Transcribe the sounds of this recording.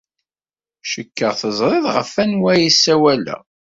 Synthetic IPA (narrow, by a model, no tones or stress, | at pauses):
ʃəkːəʁθəzˤɾˤɪðʁə̰fːænwæjisːæwælæ̰